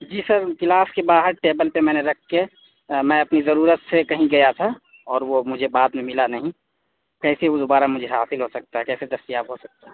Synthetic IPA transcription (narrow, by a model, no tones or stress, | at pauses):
d͡ʒiːsəɾkɪlaːskebaːɦəɾʈeːbəlpemɛ̃ːneɾɐkʰke | mɛ̃ɐpnizɐɾuːɾət̪sekɐɦĩɡɐjat̪ʰa | ɔːɾʋomʊd͡ʒʱebaːd̪mẽmɪlanɐɦĩ | kɛːseod̪obaːɾamʊd͡ʒʱeɦaːsɪlɦosɐk̚t̪aɦɛkɛːsed̪ɐst̪ijaːbɦosɐk̚t̪aɦɛ